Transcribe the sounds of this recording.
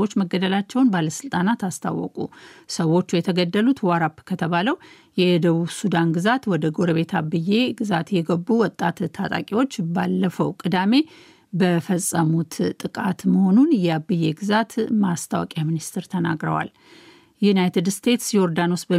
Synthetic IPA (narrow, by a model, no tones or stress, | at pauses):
ot͡ʃːməɡːəd̪əlat͡ʃːɛwnbaləsɨlt̪ʼanat̪ast̪ʰa̰wːɔ̰kʼṵsəwːo̞t͡ʃːujɛt̪ʰəɡəd̪ːəlut̪waɾapːkʰət̪ʰəβaləw | jɛd̪əβuβsud̪anɡɨzat̪wɔd̪əɡo̞ɾəβe̞t̪ʰabːɨje̞ɡɨzat̪jɛɡəbːuwɔt̪ʼːat̪ʰːat̪ʼa̰kʼiwo̞t͡ʃːbalːəfəwkʼɨd̪ame̞ | bəfəsʼːəmut̪t̪ʼːɨkʼat̪məho̞nunjɛabːɨje̞ɡɨzat̪mast̪ʰawɔ̰kʼjaminist̪ʰɨɾt̪ʰəna̰ɡɾə̰wa̰l | junajt̪ʰɨd̪st̪ʰe̞t̪sjɛoɾd̪anosbə